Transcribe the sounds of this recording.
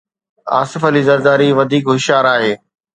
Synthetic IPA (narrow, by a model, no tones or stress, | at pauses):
a̰ːsɪfəlizɐɾd̪aːɾiʋɐd̪ʱiːkɦɪʃaːɾaːɦeː